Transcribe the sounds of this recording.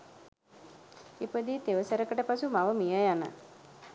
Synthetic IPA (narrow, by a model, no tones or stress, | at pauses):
ipəd̪it̪eʋəsəɾəkəʈəpasumaʋəmijəjanə̰